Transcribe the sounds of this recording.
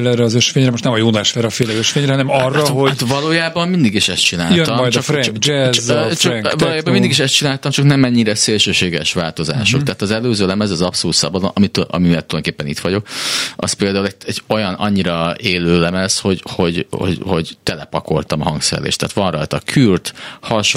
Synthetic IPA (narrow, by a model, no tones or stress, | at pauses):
lɛɾɛɒzøʃfeːɲɾɛmoʃt̪nɛmɒjuːnaʃʋɛɾɛɒfeːlɛøʃfeːɲɾɛhɒnɛmɒrːɒhot̪vɒloːjaːbɒmmind̪iɡiʃɛst̪t͡ʃina̰ːjløɒmjdt͡ʃ̪ɒɾɛɛt͡ʃŋɒloːjaːbɒmind̪iɡiʃɛst̪t͡ʃinaːlt̪ɒmt͡ʃɒknɛmɛɲːiɾɛseːlʃøːʃeːɡɛʃʋa̰ːlt̪o̞za̰ːʃokt̪aːt̪ɒzɛløːzøːlɛmɛzɒzɒpsoluːt̪sɒ̰bɒd̪o̰nɒ̰mit̪ʔɒ̰mieːlt̪ːuljd̪okeːpːɛnḭt̪ʋɒɟo̞kɒ̰speːld̪aːulɛɛɟo̞jɒnɒ̰ɲːiɾɒeːløːlɛmɛsho̞ɟho̞ɟo̰ɟho̞̰ɟt̪ɛlɛpɒko̞lt̪ɒmɒɦɒŋksɛ̰ɛ̰lḛːʃt̪ɛ̰ːt̪ʋɒnrɒ̰jt̪ɒkʰyrt̪hɒʃ